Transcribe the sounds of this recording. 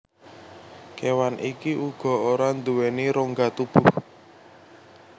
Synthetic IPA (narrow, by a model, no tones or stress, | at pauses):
kewanʔikiʔuɡ̥ɔ̤oɾand̪uweniɾoŋɡat̪ub̥ʊh